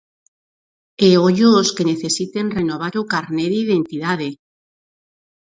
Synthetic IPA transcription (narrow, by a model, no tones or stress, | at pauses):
eoʎooskeneθesit̪enrenoβ̞aɾokaɾneðiðent̪iðaðe